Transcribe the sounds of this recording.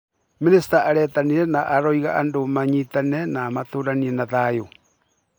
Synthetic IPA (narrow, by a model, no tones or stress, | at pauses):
minisi̥taʔaɾɛtaniɾɛnaʔaɾɔiɣaːndomaɲitanɛnaːmatoːɾaniɛnaðajo